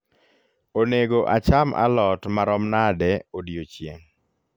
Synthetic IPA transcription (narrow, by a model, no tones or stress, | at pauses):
oneɡoʔa̰t͡ʃamʔa̰lɔtmaɾɔmnadɛodjot͡ʃjḛŋ